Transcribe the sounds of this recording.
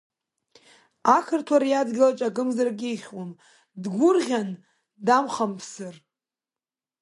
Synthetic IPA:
akʰɨrtʰwaɾjadɡʲilat͡ʃʼakʼɨmzarɡʲiiχʲwam | dɡʷʊrʁʲan | damχampʰsɨr

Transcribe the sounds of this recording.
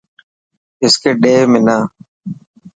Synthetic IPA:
ɪskeːɗeːmɪnaː

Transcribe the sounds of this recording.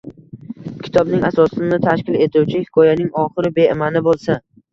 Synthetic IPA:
kʲʰɪ̥t̪ʰɒbnɪŋasɒsɪnɪt̪ʰaʃkʲɪle̞t̪ʰuwt͡ʃʰɪhɪkʰɒjanɪŋɒχɨɾɪbe̞ɪmanɪbolˠsa

